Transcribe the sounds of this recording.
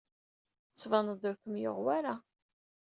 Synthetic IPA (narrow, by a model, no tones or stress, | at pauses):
ət͡sːvɑnəd̪ʊɾkəmjo̰ʁwaɾa